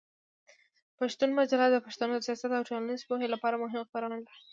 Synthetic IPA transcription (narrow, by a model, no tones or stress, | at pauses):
paʃt̪unmad͡ʒalɑd̪əpaʃt̪anod̪əsjɑsat̪awʈolanizpoɦelapɑɾamʊɦɪmxbaɾanalaɾ